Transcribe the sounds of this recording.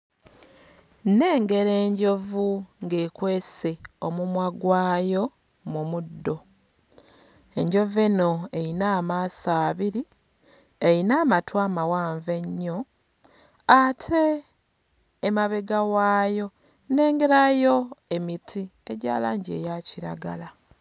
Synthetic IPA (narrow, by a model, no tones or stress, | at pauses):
ne̞ːŋɡe̞ɾe̞ːɲɟo̞vuŋɡeːkwe̞ːse̞o̞mumwaɡwaːjo̞ | mumudːo̞ | e̞ɲɟo̞veno̞e̞jinaːmaːsaːβiɾi | ejinaːmatwaːmawaːɱve̞ɲːo̞ | atʰe̞ | maβe̞ɡawaːjo̞ | ne̞ːŋɡe̞ɾajo̞e̞mitʰieɟa̰ːla̰ːɲɟe̞̰ːjaciɾa̰ɡala